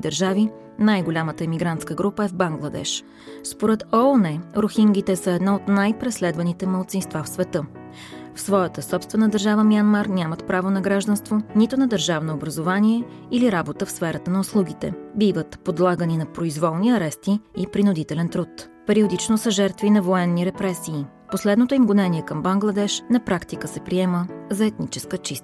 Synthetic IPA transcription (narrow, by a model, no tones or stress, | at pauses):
id̪əɾʒavi | najɡolʲamət̪əɛmiɡɾant̪skəɡɾupəɛvbaŋɡlˠɐd̪ɛ̰ʃ | spoɾɛt̪ɔnɛɾoxiŋɡ̟it̪ɛsəɛd̪naot̪najpɾɛslɛd̪vɐnit̪ɛməlˠt̪sinst̪vafsvɛt̪ɤ | fsvɔjət̪əsɔpst̪vɛnəd̪əɾʒavəmiɐnmaɾnʲamət̪pɾavonɐɡɾaʒd̪ənst̪vonit̪ʊnɐd̪əɾʒavnoːbɾɐzovaniɛ | iliɾabot̪əfsfɛɾət̪ənɐʊslˠuɡit̪ɛ̰bivət̪pod̪lˠaɡəninɐpɾoizvɔlˠniɐɾɛst̪iːpɾinʊd̪it̪ɛlɛnt̪ɾut̪ | pɛɾiod̪it͡ʃnosəʒɛɾt̪vinɐvoɛnːiɾɛpɾɛsiː | poslɛd̪not̪oimɡonɛniɛkəmbɐŋɡlˠɐd̪ɛʃnɐpɾakt̪ikəsɛpɾiɛməzɐɛt̪nit͡ʃɛskət͡ʃist̪